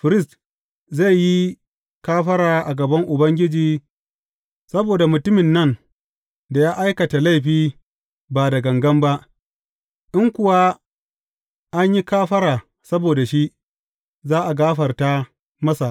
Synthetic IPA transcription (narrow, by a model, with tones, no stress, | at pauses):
ɸɪ˨ɾɪ˦st | za˦˨jjːi˦ | kaː˦ɸɐ˦ɽaː˨ʔa˨ɡɐ˨bɐ˦ŋʔʊ˨bɐ˦ŋɡʲɪ˦d͡ʒiː˨ | sɐ˦boː˨da˨mʊ˨tʊ˦mɪ˨nːɐ˦˨n | da˨jaː˦ʔa˦jkɐ˨ta˨la˦˨ɸiː˦ | baː˨da˨ɡɐ˨ŋɡɐ˦mba˦ʔ | ʔɪ˦ŋkʷʊ˨wa˦ | ʔa˦ɲji˦kaː˦ɸɐ˦ɾaː˨ | sɐ˦boː˨da˨ʃi˦ | zaː˦ʔa˨ɡaː˦ɸɐ˨rta˦ | mɐ˦sa˨ʔ